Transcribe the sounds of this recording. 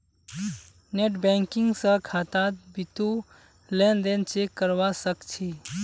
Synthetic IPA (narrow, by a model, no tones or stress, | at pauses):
neʈbɛ̃ːŋkɪ̃ŋɡsə̃kʰaːt̪at̪̚bit̪u | lẽnd̪ent͡ʃekːəɾwasəkt͡ʃʰi